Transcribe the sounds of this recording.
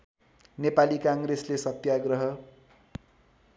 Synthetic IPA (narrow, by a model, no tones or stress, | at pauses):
nepalikãŋɡreslesʌt̪jaɡrʌɦʌ